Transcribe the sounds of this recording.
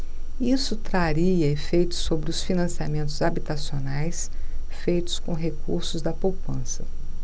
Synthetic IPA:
isʊt̪ɾaɾiɐefejt̪ʊ̥sːobɾɪʊsfinɐ̃siamẽnt̪ʊzabit̪asionajs | fejt̪ʊ̥skõɦekuɾsʊzd̪ɐpowpɐ̃sɐ

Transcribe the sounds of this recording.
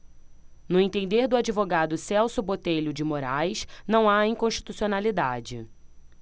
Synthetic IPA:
nʊẽt̪ẽnd̪eɾd̪ʊad͡ʒivoɡad̪ʊsɛwsʊbot̪eʎʊd͡ʒɪmoɾajʃnɐ̃w̃aĩŋkõʃt͡ʃi̥t̪usionalid̪ad͡ʒɪ̰

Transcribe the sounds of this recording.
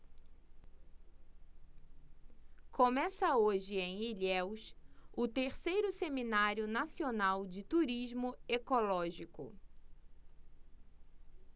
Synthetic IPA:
kõmɛsɐoʒɪẽj̃iʎɛwsʊt̪eɾsejɾʊseminaɾjʊnasionawd͡ʒɪt̪uɾiʒmʊekolɔʒikʊ̰

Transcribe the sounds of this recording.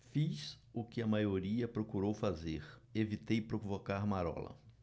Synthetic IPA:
fis | ʊkɪɐmajoɾiɐpɾokuɾowfazeɾevit̪ejpɾovokaɾmaɾɔ̰lɐ̰

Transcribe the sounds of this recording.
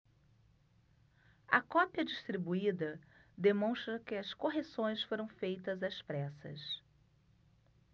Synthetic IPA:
ɐ̰kɔpiɐd͡ʒiʃst̪ɾibuid̪ɐd̪emõst̪ɾɐkɪɐskoɦesõj̃sfoɾɐ̃w̃fejt̪ɐzɐspɾɛsɐ̰s

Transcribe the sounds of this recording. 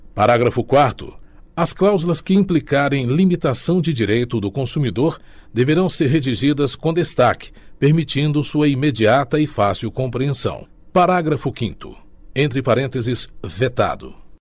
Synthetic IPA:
paɾaɡɾɐfʊkwaɾt̪ʊ̰ | ɐsklawzulɐskɪĩmplikaɾẽj̃limit̪asɐ̃w̃d͡ʒɪd͡ʒiɾejt̪ʊd̪ʊkõsumid̪oɾ | d̪eveɾɐ̃w̃seɾɦed͡ʒiʒid̪ɐskõd̪est̪akɪ̥peɾmit͡ʃĩnd̪ʊsuɐimed͡ʒiat̪ɐɪfasiwkõpɾiẽsɐ̰̃w̃ | paɾaɡɾɐfʊkḭ̃nt̪ʊ̰ | ẽnt̪ɾɪpaɾẽnt̪ezɪsvet̪a̰d̪ʊ̰

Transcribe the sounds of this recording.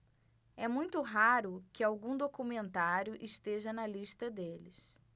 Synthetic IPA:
ɛmũj̃t̪ʊɦaɾʊkɪawɡũd̪okumẽnt̪aɾjʊʔɪʃt̪eʒɐnɐliʃt̪ɐd̪elɪs

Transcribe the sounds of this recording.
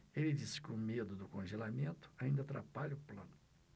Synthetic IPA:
elɪd͡ʒisɪ̥kɪʊmed̪ʊd̪ʊkõʒelamẽnt̪ʊ̥aĩnd̪ɐat̪ɾa̰paʎɐʊplɐ̰̃nʊ

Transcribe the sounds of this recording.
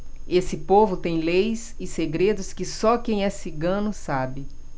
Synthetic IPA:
esɪpovʊt̪ẽj̃lejsɪseɡɾed̪ʊskɪsɔkẽj̃ɛsiɡɐ̃nʊsabɪ

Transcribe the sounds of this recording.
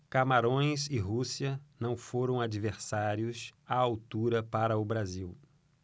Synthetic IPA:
kamaɾõj̃sɪɦusiɐnɐ̃w̃foɾɐ̃w̃ad͡ʒiveɾsaɾjʊsaawt̪uɾɐpaɾɐʊbɾaziw

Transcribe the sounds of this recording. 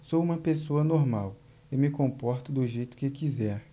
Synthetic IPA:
sowũmɐpesoɐnoɾmaw | emɪkõpɔɾt̪ʊd̪ʊʒejt̪ʊ̥kɪewkizɛɾ

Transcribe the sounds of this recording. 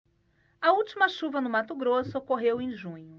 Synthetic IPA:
ɐuwt͡ʃimɐʃuvɐnʊmat̪ʊɡɾosʊkoɦewẽj̃ʒũɲʊ

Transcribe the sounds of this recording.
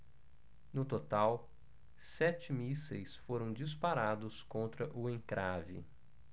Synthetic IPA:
nʊt̪ot̪aw | sɛt͡ʃɪmisejsfoɾɐ̃w̃d͡ʒispaɾad̪ʊskõnt̪ɾɐʔʊẽŋkɾʔavɪ̰

